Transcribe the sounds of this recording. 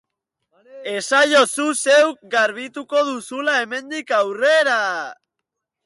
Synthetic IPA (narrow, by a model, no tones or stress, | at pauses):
e̞sajo̞suse̞wk̚ɡaɾβ̞it̪uko̞ðusulae̞me̞nd̪ikawreɾa